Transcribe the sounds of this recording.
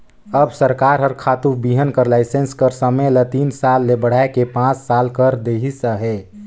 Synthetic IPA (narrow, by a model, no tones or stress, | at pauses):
əbsəɾkaɾɦəɾkʰat̪ubiɦənkəɾlaɪsenskəɾsəmelət̪insalːebəɽ̤aekepãt͡ʃsalkəɾd̪eɦisəɦɛ